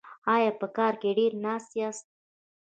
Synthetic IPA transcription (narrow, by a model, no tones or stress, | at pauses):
ɑjɑpəkɑɾkeɖeɾnɑst̪jɑst̪̚